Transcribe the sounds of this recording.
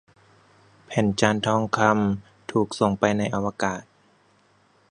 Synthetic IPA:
pʰɛː˨˩˦nt͡ɕaː˧nt̪ʰɔː˧˩ŋkʰa˧m | t̪ʰuː˨˩k̚so˨˩ŋpa˧jna˧jʔa˧waː˧kaː˨˩t̪̚

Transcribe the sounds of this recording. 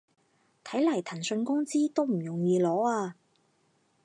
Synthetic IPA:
t̪ʰɐ˨˥jlɐ˨˩jt̪ʰɐ˨˩nsɵ˧nkʊ˥ŋt͡siː˥t̪o˥wm̩˨˩jʊ˨˩ŋjiː˧lɔː˨˥aː˧

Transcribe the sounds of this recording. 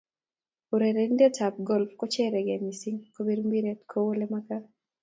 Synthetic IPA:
oɾeɾen˦de˦tʰap̚ɡɔ˦lfkɔ˦t͡ʃɛ˦ɾɛ˨ɡɛ˨misi˦ŋko˦bi˦ɾmbi˦ɾetkʰowo˦lemaka˦

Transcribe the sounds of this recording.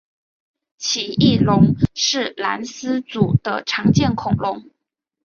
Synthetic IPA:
t͡ɕʰi˨˩i˥˩lʊ˧˥ŋʂɻ̩˥˩la˧˥nsɹ̩˥t͡su˨˩d̪̥ə˦ʈ͡ʂʰɑ˧˥ŋt͡ɕjɛ˥˩nkʰʊ˨˩ŋlʊ˧˥ŋ

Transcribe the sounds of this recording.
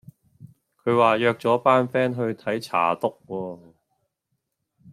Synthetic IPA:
kʰɵ˨˧ɥwaː˨˩jœː˧k̚t͡sɔː˨˥paː˥nfɛː˥nɦɵ˧ɥt̪ʰɐ˨˥jt͡sʰa̰ː˨˩t̪ʊ˥k̚kɔː˧

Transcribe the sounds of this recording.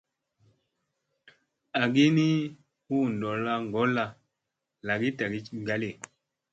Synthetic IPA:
a˨ɡi˦ni˦ | hu˦˨n˨dɔ˨la˦ŋɡɔ˨˦la˧ | la˨ɡi˦ta˨ɡi˦˨ɡa˨˦le˦˨

